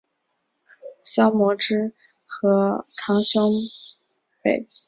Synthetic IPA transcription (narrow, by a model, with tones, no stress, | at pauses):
ɕjɑ˥ʊmwɔ˧˥ʈ͡ʂɻ̩˥ | xɤ˧˥ʈ͡ʂʰɑ˧˥ŋɕjʊ˥ŋ | pḛ˥˩ɪ